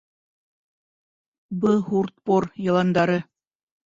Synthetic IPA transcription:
bɤhurt̪̚poɾjɤ̆lˠɑnd̪ɑɾɤ

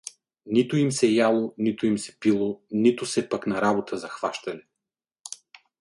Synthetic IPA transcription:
nit̪ʊimsɛjalˠonit̪ʊimsɛ̥pilˠonit̪ʊsɛpɐknɐɾabot̪ʰəzɐxv̥aʃt̪ɐnɛ

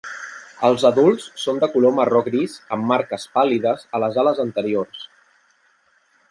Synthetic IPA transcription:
əlˠzəðulˠsːond̪əkulomərɔɣɾizəmːaɾkəspaliðəzələzaləzənt̪əɾiors

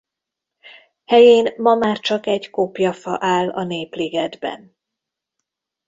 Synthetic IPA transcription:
hɛjeːnmɒmaːrt͡ʃɒkɛɟkopjɒfɒ̰ʔaːlɒ̰neːpliɡɛd̪bɛ̰n

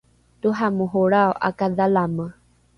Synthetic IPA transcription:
t̪uɦamuɦoɾaoʔa̰kad̪alamə

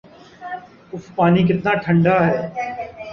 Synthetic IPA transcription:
ʊfpaːnik̬ɪt̪naːʈʰə̃ɳɖaːɦɛː

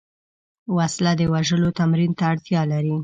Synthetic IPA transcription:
waslad̪əwaʒəlot̪amɾint̪aːɽt̪jɑlaɾi

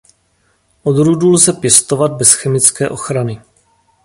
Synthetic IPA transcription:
ʔo̞d̪ɾudulzɛpjɛst̪o̞vad̪̚bɛsxɛmɪt͡skɛːʔo̞xɾanɪ

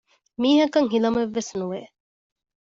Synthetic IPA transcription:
miːɦɐkɐŋɦilɐmeʋːesnuʋe

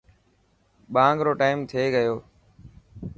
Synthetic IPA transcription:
ɓãːŋɡɾoːʈaːɪmt̪ʰeːɡəjoː

